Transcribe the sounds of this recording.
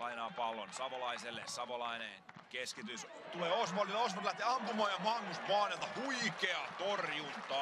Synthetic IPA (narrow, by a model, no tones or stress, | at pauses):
ɑinɑːpɑlːo̰nsɑʋolɑiselːḛsɑʋolɑinḛ | keskit̪ys | t̪uleːosmɑliosmot̪læht̪eːɑmpumɑːjjɑmɑŋːust̪ʋɑːnelt̪ɑhuikeɑt̪orjunt̪ɑ